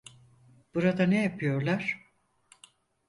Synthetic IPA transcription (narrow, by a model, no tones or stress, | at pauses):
b̥uɾad̪anejapʰɯjo̞ɾlˠaɾ̥